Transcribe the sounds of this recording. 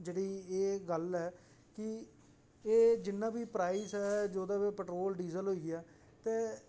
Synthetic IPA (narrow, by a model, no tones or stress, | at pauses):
d͡ʒeːɽiːeːɡəlɦɛː | kɪ | eːd͡ʒɪnːãːbiːpɾaːiːsɛːd͡ʒoːd̪ãːbeːpəʈɾoːlɖiːzəlɦoːiːɡeaː | t̪eː